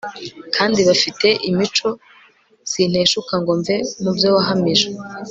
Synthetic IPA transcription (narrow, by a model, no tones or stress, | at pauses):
kʰaːndiβafite̞ʔimit͡ʃo̞ | sin̥he̞ːʃukaŋɡo̞ɱve̞mubjo̞ːwaɦamiʒe